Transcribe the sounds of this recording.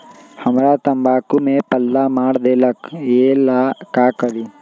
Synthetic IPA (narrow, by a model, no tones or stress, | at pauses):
hɐmɾaːt̪ɐmbaːkumepɐlːamaːɽd̪eːlɐkeːlaːkaːkɐɽi